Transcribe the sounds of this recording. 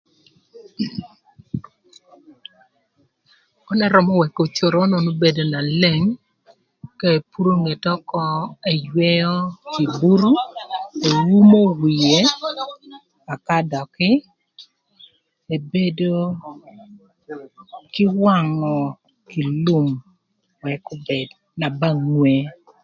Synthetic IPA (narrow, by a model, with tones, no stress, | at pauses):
ɔ˦nɛ˦ɾɔ˨mɔ˦wɛ˨ko˨t͡ʃo˨ɾo˦no˨no˦be˨do˨na˨le˦ŋ | ka˦e˨pu˦ɾo˦ŋe˨tɔ˦kɔ˦ɛ˨jwɛ˦jɔ˦ki˨bu˦ɾu˦e˨wu˦mo˦wi˨je˦ | a˨ka˦dɔ˨kɪ˦ | e˨be˦do˦ | kɪ˦wa˦˨ŋɔ˨ | ki˨lu˦˨m | wɛ˨kʊ˦bɛ˨d | na˨ba˦ŋwe˨